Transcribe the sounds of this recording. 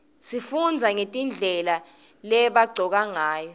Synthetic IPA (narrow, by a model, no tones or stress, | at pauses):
sifund͡zʱaŋetʼind͡ɮʱɛla | lɛɓaɡ͡ǀʱɔk̬aŋaːjɔ